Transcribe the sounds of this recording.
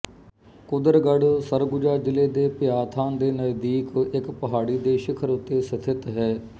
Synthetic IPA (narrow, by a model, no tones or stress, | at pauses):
kʊd̪əɾɡəɽsəɾɡʊd͡ʒaːd͡ʒɪleːd̪eːpɪjaːt̪ʰãːnd̪eːnəjd̪iːkɪkpəɦaːɽiːd̪eːʃɪkʰəɾʊt̪ːeːsət̪ʰɪt̪ɦɛː